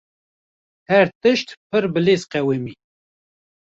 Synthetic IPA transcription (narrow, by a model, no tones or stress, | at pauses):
hɛɾt̪ɨʃt̪pʰɨɾbɨleːzqɛwemiː